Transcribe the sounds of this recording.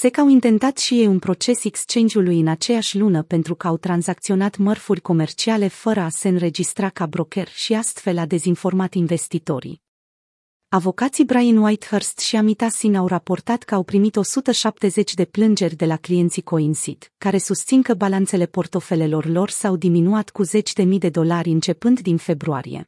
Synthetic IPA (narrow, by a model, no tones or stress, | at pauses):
se̞kawint̪e̞nt̪at̪ʃije̞junpɾo̞t͡ʃe̞sekst͡ʃe̞nd̪iulujɨnat͡ʃe̞jaʃʲlunəpe̞nt̪ɾukəawt̪ɾanzak̚t̪sio̞nat̪mərfurʲko̞me̞rt͡ʃiale̞fəɾəase̞ɨnɾe̞d͡ʒist̪ɾakabɾo̞ke̞rʃiast̪fe̞lad̪e̞zinfo̞rmat̪inve̞st̪it̪o̞ɾḭ | avo̞kat̪sibɾajənwajt̪herst̪ʃiamit̪asinawrapo̞rt̪at̪kəawpɾimit̪o̞sut̪əʃap̚t̪e̞ze̞t͡ʃʲd̪e̞plɨnd͡ʒe̞rʲd̪e̞laklije̞nt̪siko̞insit̪kaɾe̞sust̪sinkəbalant̪se̞le̞po̞rt̪o̞fe̞le̞lo̞rlo̞rsawd̪iminuat̪kuze̞t͡ʃʲd̪e̞mid̪e̞d̪o̞laɾʲɨnt͡ʃe̞pɨnd̪d̪infe̞bɾua̰ɾḭjḛ